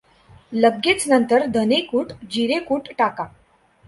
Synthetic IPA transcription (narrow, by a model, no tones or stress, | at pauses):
ləɡet͡snənt̪əɾd̪ʱənekuːʈd͡ʑiɾekuːʈʈaka